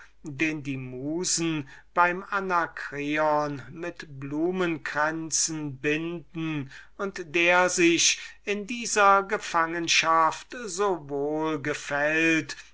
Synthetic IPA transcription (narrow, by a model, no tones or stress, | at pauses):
deːndiːmuːzn̩b̥aɪmanakʁ̥eɔnmɪtbluːmənɡʁɛnt͡sn̩bɪndn̩ʊntd̥eːɐzɪʃɪndiːzɐɡəfaŋənʃaftzoːvoːlɡəfɛlt